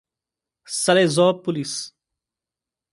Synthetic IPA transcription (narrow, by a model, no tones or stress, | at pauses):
səleːzɔːpːʊlis